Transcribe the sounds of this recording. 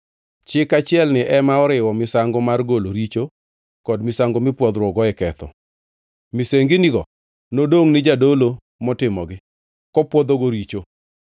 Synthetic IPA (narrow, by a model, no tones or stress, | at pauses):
t͡ʃɪkat͡ʃɪɛlnɪʔɛmaɔɾɪwɔmɪsaŋɡɔmarɡoloɾit͡ʃo | kɔdmɪsaŋɡomɪpwɔd̪ɾwɔɡɔɛkɛt̪ɔ̰ | mɪseŋɡiniɡɔ | nodoŋnɪd͡ʒadolo | mɔtɪmɔɡɪ | kɔpwɔd̪oɡoɾit͡ʃo